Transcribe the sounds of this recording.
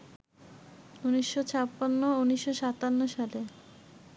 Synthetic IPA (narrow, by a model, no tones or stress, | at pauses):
uniʃːot͡ɕʰapːanːouniʃːoʃat̪anːoʃale